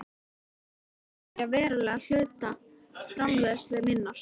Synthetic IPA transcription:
avɛːɾalɛɣal̥œːɥt̪a | fɾamlœːðsɛmɪnːḁ

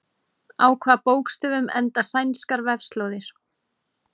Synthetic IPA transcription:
aːwkʰvaːðpoːwkst̪ʏːvʏmɛ̰nt̪asajnskaɾvɛvst̪loːwðɪɾ̥

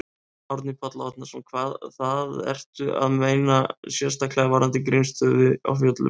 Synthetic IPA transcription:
awɾt̪nipʰat̪laɔt̪nasɔmkʰvaːðθaðɛ̰r̥t̪ʏʔa̰ðmeːjnasjɛst̪aklɛɣavaːɾant̪ɪk̬ɾejnst̪œððɪɔ̰fjɔt̪lʏ̰

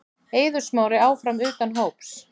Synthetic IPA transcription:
eːjðʏ̥smaːwɾɪaːwfɾamʏːt̪anɦoːwps

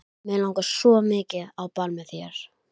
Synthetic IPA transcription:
mɛlawŋkasɔmɪːcɪawpalmɛθjɛɾ̥

